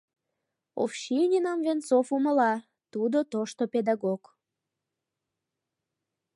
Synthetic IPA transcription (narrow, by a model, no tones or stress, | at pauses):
o̰fʃinʲinɑmvensofuməlɑ | t̪ud̪ot̪oʃt̪oped̪ɑɣok